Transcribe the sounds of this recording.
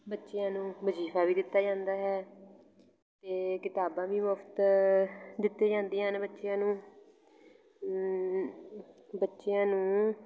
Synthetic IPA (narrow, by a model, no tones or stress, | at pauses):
bətːʃeãːnũːbəd͡ʒiːfʰaːʋiːd̪ɪt̪ːaːd͡ʒãːnd̪aːɦɛː | t̪eːkɪt̪aːbãːʋiːmʊpʰt̪ | d̪ɪt̪ːeːd͡ʒãːnd̪ijãːnbətːʃejãːnũː | bətːʃejãːnũː